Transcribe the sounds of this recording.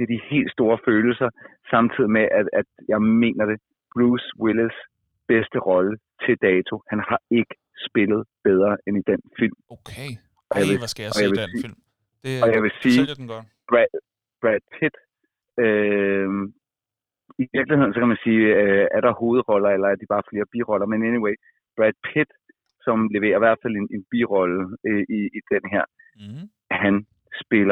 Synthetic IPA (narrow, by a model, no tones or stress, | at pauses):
d̥e̝ɐd̥ihe̝̰ːld̥sd̥o̝ːɐføːl̩sɐsɑ̈mt͡sʰið̰ˠimeʔææd̥jɑ̈ɪme̝̰ːnɐd̥e̝ | b̥ʁuːsweles | b̥esd̥əʁɒ̽lət͡sʰe̝ld̥ɛːt͡sʰo̝hænhɑ̈e̝ɡ̥ə̥ | sb̥e̝lð̩ˠb̥eð̞ˠʁɐːʔenid̥en̰fil̰m | ʔɒ̽jɑʋeɒ̽jɑʋe | ɒ̽jɑ̈ɪʋe̝si̥ː | b̥ʁæd̥̚pʰid̥ | ø | iʋiɐɡ̥lihe̝ðˠn̩sɒ̽kʰæmænsiːøæɐɾ̥ɑ̈ho̝ːð̞̩ˠʁɒ̽lɐelɐæɐd̥ib̥ɑ̈ːfle̝ːɐb̥iʁɒ̽lɐmeneniweɪ | b̥ʁæd̥̚pʰed̥ | sɒ̽mleʋe̝̰ːɐiʋæɐ̰d̥fæl̰enʔe̝nb̥iʁɒ̽ləiid̥enɦeɐ̰ | hæn | sb̥e̝lɐ